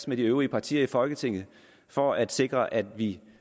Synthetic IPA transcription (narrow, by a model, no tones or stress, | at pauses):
smeɾ̥iøʊʁiəpʰɑ̈t͡sʰḭːɐifɒ̽lɡ̥ət͡sʰe̝ŋ̰ð̩ˠ | fɒæd̥se̝ɡ̥ʁɐʔæd̥ʋi